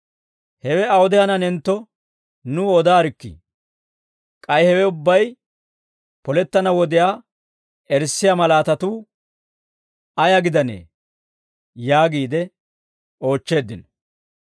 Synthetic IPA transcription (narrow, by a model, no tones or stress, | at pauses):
hɛwɛɐwɔd̪ɪhɐnɐnɛnt̪ːɔ | nʊɔd̪aːɾɪkːḭ | kʼɐjhɛwɛʊbːɐj | pɔlɛt̪ːɐnɐwɔd̪ɪjaː | ɛɾsːɪjamɐlaːt̪ɐt̪uː | ɐjɐɡɪd̪ɐnḛː | jaːɡiːd̪ɛ | o̞ːt͡ʃːe̞ːd̪ːɪnɔ̥